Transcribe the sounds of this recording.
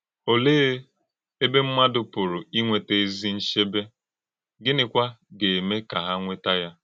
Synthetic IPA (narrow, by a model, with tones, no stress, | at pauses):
o˨leː˦ | e˦be˦m̩˦ma˦dʊ˨pʊ˨ɾʊ˨i˦ŋʷe˨te˦e˦zi˦n̩˦ʃe˦be˦ | ɡɪ˦nɪ˨kʷa˦ɡe˨me˦ka˨ɦa˦ŋʷe˦ta˦ja˦